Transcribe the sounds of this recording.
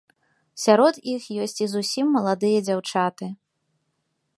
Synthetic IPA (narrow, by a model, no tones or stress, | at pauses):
sʲaɾɔt̪ixjɔsʲt͡sʲizusʲimːɐlˠad̪ɨjɐd͡zʲawt͡ʂat̪ɨ